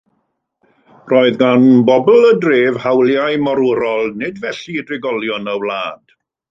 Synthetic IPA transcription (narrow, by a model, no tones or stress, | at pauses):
rɔːɨðɡanbɔbl̩ˠədreːv̥hawlˠjajmɔɾʊɾɔlˠnɪdvɛɬidrɪɡɔlˠjɔnəwlˠaːd̥